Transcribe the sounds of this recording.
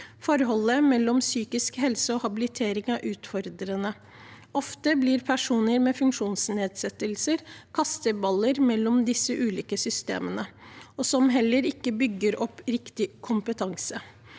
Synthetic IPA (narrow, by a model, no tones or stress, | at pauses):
fɔɾɦɔlːəmɛlːɔmsyːkɪskhɛlsəɔhɑbɪlɪt̪ʰeːɾɪŋɑʔʉːt̪fɔɾd̪ɾənə | ɔft̪əblɪɾpʰæʂuːnəɾmɛfʉŋkʂuːnsneːd̪sɛt̪ːəlsəɾkʰɑst̪əbɑləɾmɛlːɔmd̪ɪsəʔʉːliːkəsʏst̪ḛːmənəɔsɔmɦɛlːəɾɪkːəbʏɡːəɾʔɔpːɾɪkt̪ɪkʰʊmpət̪ʰɑŋsə